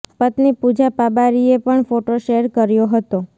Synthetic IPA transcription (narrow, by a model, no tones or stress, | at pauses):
pət̪nipud͡ʒapabaɾiepəɳfoʈoʃeɾkəɾjoɦət̪o